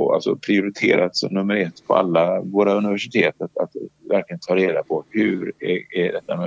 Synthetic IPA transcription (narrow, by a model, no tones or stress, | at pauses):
ɔa̰lt̪sɔ̰pʰɾɪʊɾɪt̪ʰḛːɾat̪sɔ̰mnɵmːəɾɛt̪ːpʰɔ̰a̰lːavoːɾaɵnɪvæʂɪt̪ʰeːt̪at̪at̪væɾklɪɡənt̪ʰɑːɾeːd̪apʰɔhʉɾɛæɖɛt̪ːamɛ